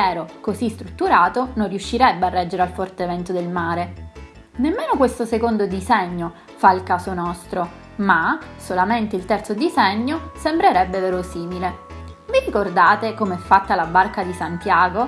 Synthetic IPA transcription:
ɛːɾokozist̪ɾut̪ːuɾaːt̪onõnrjuʃːiɾɛbːearːɛd͡ʒːeɾealfɔrt̪evɛnt̪od̪elmaːɾe | nemːeːnokwest̪osekond̪od̪izɛɲːo | failkaːsonɔst̪ɾo | masolament̪eilt̪ɛrt̪sod̪izɛɲːosembɾeɾɛbːeveːɾosiːmilevirikord̪aːt̪ekomeɛfːat̪ːalabːarkad̪isant̪jaːɡo

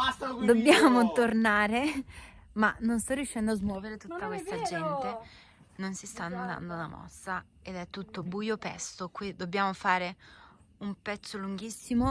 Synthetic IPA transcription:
d̪obːjaːmot̪ornaːɾe | manonst̪ɔrːiuʃːɛnd̪oazmwɔːveɾet̪ut̪ːakwest̪ad͡ʒɛnt̪e | nonsist̪anːod̪a̰nd̪onamɔ̰sːa | ed̪ɛt̪ːut̪ːobuːjopɛ̰st̪okwid̪obːjaːmofaːɾe | umpɛt̪sːoluŋɡisːimo

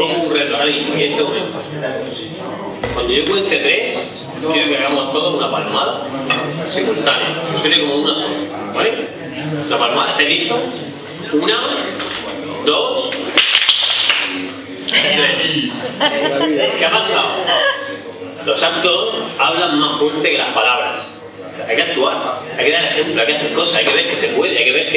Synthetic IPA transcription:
emunret̪oɾaiiest̪emomẽ̞nt̪o | kwand̪ojok̬went̪et̪ɾe̞s | k̪jeðokeaɣamot̪oðoɦunapalmaða | semũnt̪anja̰osweɾekomounason | βale | lapalmaðat̪eðit̪o | una | d̪os | t̪ɾes | keapasaw | lo̞sak̚t̪oaβlaŋmasfwe̞ɾt̪e̞ke̞lahpalaβɾa̰s | ajkeak̚t̪uaɾajkeðaɾe̞xe̞mploajkeaθeɾko̞saajke̞βeɾke̞se̞pwe̞ðeajkeβeɾke

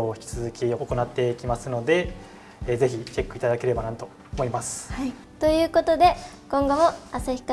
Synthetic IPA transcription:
oːçi̥kʲi̥t͡sɨzɨkʲioko̞nat̪ːe̞ikʲimasɨno̞d̪e̞ | ze̞çit͡ɕe̞kːɯ̟it̪ad̪ake̞ɾe̞banat̪o̞ːmo̞imasɨ̥ | t̪o̞jɯ̟ːko̞t̪o̞d̪e̞kõŋɡo̞mo̞asaçi̥kːa

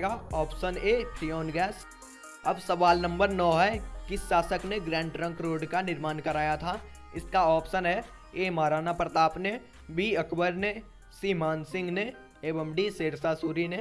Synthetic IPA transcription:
ɡaɔːpsəneːpʰɾiːɔːnɡɛːs | ɐbsɐʋaːlnɐ̃mbəɾnɔːɦɛkɪsʃaːsəkneɡɾɛ̃ːɳɖɾə̃ŋkɾoːɖkanɪɾmaːnkɐɾaːjat̪ʰaː | ɪskaɔːpʃənɦɛ | eːmaːɾaːnapəɾt̪aːpne | bʱiɐkbəɾne | siːmaːnsɪ̃ŋɡne | eːbəmɖiseːɽsasuːɾine

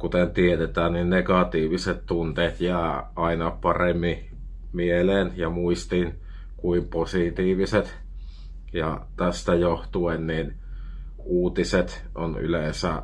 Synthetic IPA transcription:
kut̪ent̪iet̪et̪æːnninnekɑt̪iːʋiset̪t̪unt̪eːt̪jæːʔɑˑinɑpɑremːi | mieleːnjɑmuist̪in | kuimposit̪iːʋiset̪ | jɑt̪æst̪æjoht̪uennin | uːt̪iset̪ | ʔo̰ny̰leˑnsæ̰

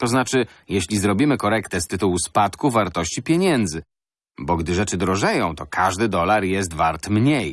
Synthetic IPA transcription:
t̪ɔznat͡ʂɘ | jɛɕlʲizɾɔbʲimɘkɔɾɛkt̪ɛst̪ɘt̪uwuspat̪kuvaɾt̪ɔɕt͡ɕipʲjeɲɛnd̪zɘ | bɔɡd̪ɘʐɛt͡ʂɘd̪ɾɔʐɛjɔ̃w̃t̪ɔkʰaʐd̪ɘd̪ɔlaɾjɛs̬t̪vaɾt̪mɲej

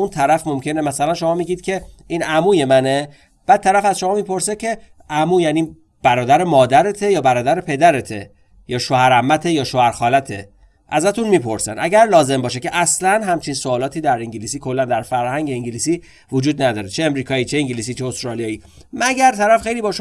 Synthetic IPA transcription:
unt̪ʰæɾæfmo̞mcʰe̞nemæsælænʃo̞mɒːmiɟiːd̪̥cʰe̞ | iːnʔæmuːje̞mæne̞ | b̥æd̪̚t̪ʰːæɾæfæz̥ʃo̞mɒːmiːpʰo̞ɾsecʰe̞ | ʔæmuːjæniː | b̥æɾɒːd̪æɾemɒːd̪æɾet̪ʰejɒːbæɾɒːd̪æɾepʰe̞d̪æɾet̪ʰe | jɒːʃohæɾæmːæt̪ʰejɒːʃohæɾxɒːlæt̪ʰe̞̰ | ʔæzæt̪ʰunmiːpʰo̞ɾsæ̰nʔæɟæɾlɒːze̞mbɒːʃecʰe̞ʔæslænɦæmt͡ʃʰinsoːlɒːt̪ʰiːd̪æɾiŋɟiliːsiːkʰo̞lːænd̪æɾfæɾhæŋɟeiŋɟiliːsiː | vod͡ʒuːd̪næd̪ɒːɾet͡ʃʰeemɾiːkʰɒːiːt͡ʃʰeiŋɟiliːs̬iːt͡ʃʰeost̪ɾɒːlijɒːiːmæɟæɾt̪ʰæɾæfxe̞jliːbɒːʃ

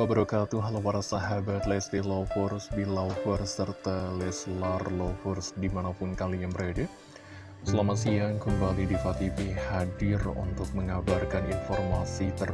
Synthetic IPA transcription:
abəɾəkat̪uɦalawaɾasaɦabat̪lɛst̪ilofɔrsbilafɔrsːərt̪alɛslarlɔfɔrsdimanapʊnkaliaŋbəɾadə | səlamasiaŋkəmbalidifat̪ipihadɪrṵnt̪ʊk̚məŋabarkaninfɔrmasit̪ər

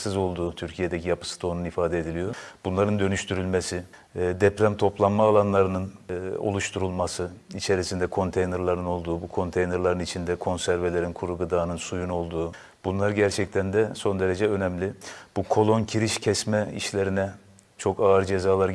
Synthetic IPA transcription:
sɯzo̞lˠd̪uːt̪ʰyɾcʰije̞d̪ɛcʰijapʰɯ̥sɯ̥t̪ʰo̞nunifaːd̪ɛed̪ilijo̞b̥unlˠaɾɯnd̪ø̞nyʃt̪ʰyɾylʲmesi | d̪ɛpɾæmt̪ʰo̞plˠanmaːlˠanlˠaɾɯnɯno̞̰lˠuʃt̪ʰuɾulˠmasɯit͡ʃʰe̞ɾisind̪ɛkʰo̞nt̪ʰejneɾlˠaɾɯno̞lˠd̪uːbukʰo̞nt̪ʰejneɾlˠaɾɯnit͡ʃʰind̪ɛkʰo̞nsæɾvelʲeɾinkʰuɾuɡɯd̪aːnɯnsujuno̞lˠd̪uː | b̥unlˠaɾɟæɾt͡ʃʰɛct̪ʰænd̪ɛso̞nd̪e̞ɾed͡ʒɛø̞nɛmlʲib̥ukʰo̞lˠo̞ncʰiɾiʃcʰɛsmɛḭʃlʲeɾinɛ | t͡ʃʰo̞kaɯɾd͡ʒezaːlˠaɾ

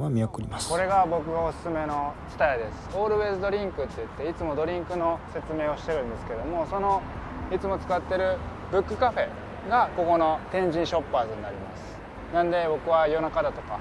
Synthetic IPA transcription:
βamʲiakɯɾʲimasko̞ɾe̞ɡabo̞kɯ̟ɡao̞sɨ̥sɨme̞no̞t͡ɕɨ̥t̪ajad̪e̞sɨ̥o̞ːɾɯ̟βe̞ːzɨd̪o̞ɾʲĩŋkɯ̟t̪ːeɯ̟t̪ːe̞it͡sɨmo̞d̪o̞ɾʲĩŋkɯ̟no̞se̞t͡sɨme̞ːo̞ɕi̥t̪e̞ɾɯ̃nd̪e̞sɨ̥ke̞d̪o̞mo̞so̞no̞it͡sɨmo̞t͡sɨ̥kat̪ːe̞ɾɯ̟ | bɯ̟kːɯ̟kaɸe̞ | ɡako̞ko̞no̞t̪ẽ̞ɲd͡ʑĩɰ̃ɕo̞pːaːzɨɲ̟inaɾʲimasɨ̥ | nãnd̪e̞bo̞kɯ̟βajo̞nakad̪at̪o̞ka

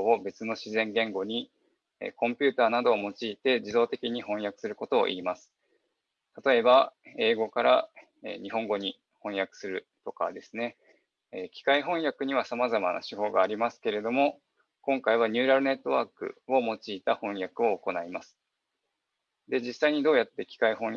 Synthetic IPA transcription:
obe̞t͡sɨno̞ɕizẽ̞ŋɡẽ̞ŋɡo̞ɲ̟i | ḛkõ̞mpʲɨːt̪aːnad̪o̞ːmo̞t͡ɕiːt̪e̞d͡ʑid̪o̞ːt̪e̞kʲiɲ̟ihõ̞ɰ̃jakɯ̟̥sɨɾɯ̟ko̞t̪o̞̰ːʔḭːmasɨ̥ | t̪at̪o̞e̞bae̞ːɡo̞kaɾa | ḛɲ̟iɦõ̞ŋɡo̞ɲ̟i | hõ̞ɰ̃jakɯ̟̥sɨɾɯ̟t̪o̞ka̰d̪e̞sɨne̞ | kʲi̥kaiɦõ̞ɰ̃jakɯ̟ɲ̟iβ̞asamazama̰na̰ɕiho̞ːɡaːɾʲimasɨ̥ke̞ɾe̞d̪o̞mo̞ | kõ̞ŋkaiβaɲ̟ʲɯ̟ːɾaɾɯ̟ne̞t̪ːo̞βaːkɯ̟̰o̞mo̞t͡ɕiːt̪ahõ̞ɰ̃jakɯ̟o̞ːko̞naimasɨ̥ | d̪e̞d͡ʑisːaiɲ̟id̪o̞ːjat̪ːe̞kʲi̥kaiɦõ̞

